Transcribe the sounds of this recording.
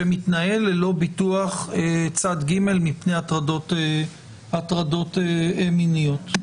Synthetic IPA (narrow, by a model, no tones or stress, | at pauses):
emit̪nae̞lelo̞bit̪uaχet͡sad̪ɡime̞lmipne̞jat̪ʁadot̪ | atʁado̞t̪eeminijot̪